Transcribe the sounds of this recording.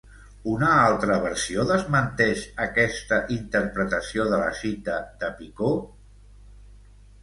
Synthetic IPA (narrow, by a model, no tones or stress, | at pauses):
unəalˠt̪ɾəβ̞əɾsioðəzmənt̪ɛʃəkɛst̪əʔint̪əɾpɾət̪əsioðələ̰ʃit̪əd̪əpiko